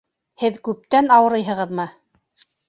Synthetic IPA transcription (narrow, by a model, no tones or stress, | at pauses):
hɘðkʉp̚t̪ænɑwɤ̆ɾɤjɦɤ̆ʁɤðmɤ